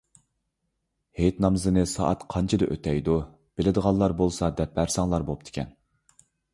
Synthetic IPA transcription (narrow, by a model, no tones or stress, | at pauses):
hejt̪nɑmzɨnɨsɑ̰ːʔɑt̪qʰɑnt͡ʃʰɨd̪ɨʔø̰t̪ʰɛjd̪u | b̥ɪlɪd̪əʁɑnːˠɑɾbolˠsɑd̪ɛp̚bæɾsɑŋlˠɑɾbop̚t̪ʰɪ̥kʲɛ̰n